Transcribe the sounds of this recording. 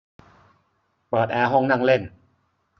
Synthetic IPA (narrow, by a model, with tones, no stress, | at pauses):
pɤː˨˩t̪̚ʔɛː˧ɦɔ˥˩ŋna˥˩ŋle˥˩n